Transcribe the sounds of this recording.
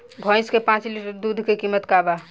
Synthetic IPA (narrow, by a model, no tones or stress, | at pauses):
bʱə̃jskepãt͡ʃliʈəɾd̪ud̪ʱkekimːət̪kaba